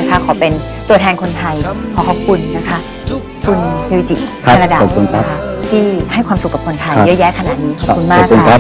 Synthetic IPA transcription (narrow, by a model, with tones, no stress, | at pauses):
a˦˥kʰa˦˥kʰɔː˨˩˦pe˧n | t̪u˧ɐt̪ʰɛː˧nkʰo˧nt̪ʰa˧jkʰɔː˨˦kʰɔ˨˧˩p̚kʰu˧nːa˦˥kʰa˦˥ | kʰu˧nsʰe˧wi˧˥t͡ɕḭ˨˩˧ | a˧na˧daː˨o˨˩u˧nʰa˦˥kʰa˧˥˩t̪ʰiː˥˩ha˥˩jkʰwaː˧msu˨˩kːpkʰo˧nt̪ʰa˧jjɤː˦˧˥jɛː˦˥˩kʰa˧na̰˨˩t̪̚niː˦˥kʰɔ˨˩ku˧nmaː˨˥˩k̚ʰːnʰ˧˥a˧